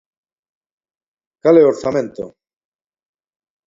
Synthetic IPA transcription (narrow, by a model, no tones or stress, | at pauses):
kaleoɾθamẽnt̪o̰